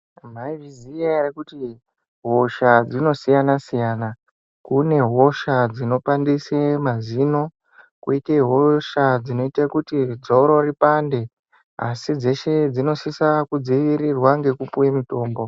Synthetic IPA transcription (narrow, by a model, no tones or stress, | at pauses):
m̤aivʱiziarekuti | ɦo̞ʃad͡zino̞sijanasijaːna | kune̞ɦo̞ʃad͡zino̞pandisemazino̞ | kuiteɦoʃad͡zino̞itakutid͡zoɾo̞ripande̞ | a̰sid͡ze̞ʃe̞d͡zino̞sisakud͡ziʋiɾirwaŋɡe̞kupuwemito̞ːmbo̞